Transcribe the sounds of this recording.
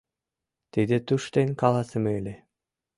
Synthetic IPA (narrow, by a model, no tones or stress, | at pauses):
t̪id̪ĕt̪uʃt̪enkɑlɑsəmeelʲe